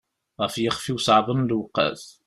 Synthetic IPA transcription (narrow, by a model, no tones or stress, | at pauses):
ʁæfjəχfiwsʕðˤənlwəqːə̰θ